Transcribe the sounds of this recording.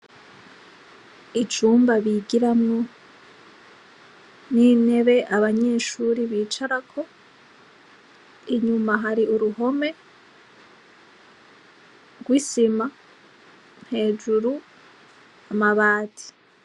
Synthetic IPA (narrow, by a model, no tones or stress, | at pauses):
it͡ʃuːmbaβiɡiɾamŋo | nine̞βe̞ʔaβaɲe̞ːʃuɾiβiːt͡ʃaɾakʰo̞ | iɲumaɦaɾiuɾuɦo̞me̞ | ɡwisima | n̥he̞ːd͡ʒuɾu | amaβaːtʰi̥